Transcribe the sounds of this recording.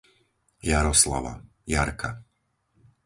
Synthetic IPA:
jaɾɔsla̰ʋa̰ | jaɾkʰa

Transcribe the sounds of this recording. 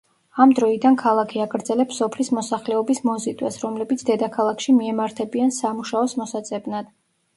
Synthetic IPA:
amd̪ɾɔid̪ankʰalˠakʰiaɡɾd̪zɛlɛpsɔpʰlismɔsaχlɛɔbismɔzit̪ʼwɛ̰sɾɔmlɛbit̪sʰd̪ɛd̪akʰalˠakʰʃimiɛmaɾt̪ʰɛbiansamuʃaɔsmɔsat̪sʼɛbnad̪̥

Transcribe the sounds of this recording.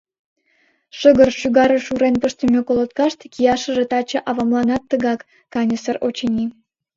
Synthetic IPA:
ʃəɣə̆rʃyɣɑɾə̆ʃuɾenpəʃt̪əmʲekolˠot̪kɑʃt̪kijɑʃə̆ʒĕt̪ɑt͡ɕɤ̆ʔɑβɑmlˠɑnɑt̪ːəɣɑkː | ɑnʲəsərot͡ɕenʲi

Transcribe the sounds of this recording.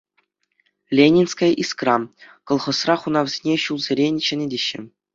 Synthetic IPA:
lʲenʲinskɑjʔiskrɑkŏlˠχɤ̆srɑχunɑʋzʲenʲeɕulˠzʲeɾʲenʲɕɘ̆nʲɘ̆dʲeɕːɘ̆

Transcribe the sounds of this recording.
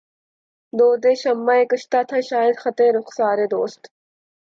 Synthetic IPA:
d̪oːd̪eːɕɐmːaekəɕt̪aːt̪ʰɐɕaːid̪xɐt̪eɾoqsɑːɾed̪oːst̪

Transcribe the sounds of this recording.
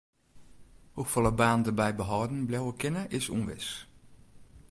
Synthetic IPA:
hukfɔlˠəbaːndərbɛjbəɦɔːdn̩blɛwəkɪnəʔɪsṵnʋɪ̰s

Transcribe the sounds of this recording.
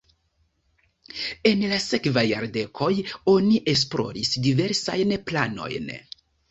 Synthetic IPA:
e̞nlase̞kvajaɾde̞kʰo̞jo̞niʔes̬plo̞̰ɾisdive̞ɾsajnplano̞̰jn

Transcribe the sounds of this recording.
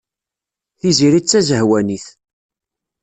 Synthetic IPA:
θiziɾit͡sːæzəhwæniθ

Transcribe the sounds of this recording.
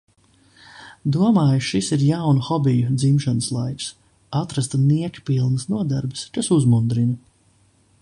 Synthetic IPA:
d̪uɔmaːjuʃisiɾjawnuxɔbijud̪zimʃanəslˠajks | at̪ɾast̪niɛkpilˠnɨsnuɔd̪aɾbɨ̥skasuzmund̪ɾinɐ

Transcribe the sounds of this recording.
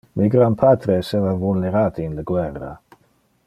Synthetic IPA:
miɡɾampʰaːt̪ɾeːseːvavulneɾaːt̪iːnlaɡwɛrːa̰

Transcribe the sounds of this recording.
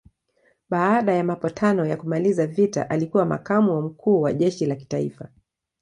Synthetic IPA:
ɓaːɗajamapɔtʰanɔjakumalizavita̰ʔalikuwama̰kamuam̩kʰuːwaʄɛʃilaki̥taḭfa

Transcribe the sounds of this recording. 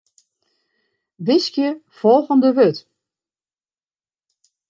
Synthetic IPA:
dɪskjə | fɔlˠɣəndəʋøt

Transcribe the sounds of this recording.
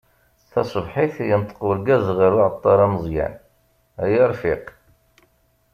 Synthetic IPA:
θæsˤəbħiθjənt̪ˤːə̥qʊɾɡæzʁəɾaʕət̪ˤːɑɾˤɑməzˤjæ̰n | æjəɾˤfiq

